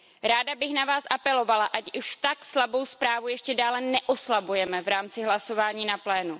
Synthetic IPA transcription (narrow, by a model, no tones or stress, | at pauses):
ɾaːdabɪxnavaːsʔapɛlo̞valaʔacuʃt̪akslabo̞wspɾaːvujɛʃcɛdaːlɛnɛʔoslabujɛmɛvɾaːmt͡sɪɦlaso̞vaːɲiːnaplɛːnu